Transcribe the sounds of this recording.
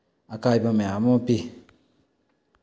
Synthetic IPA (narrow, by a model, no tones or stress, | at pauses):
akaibameamopi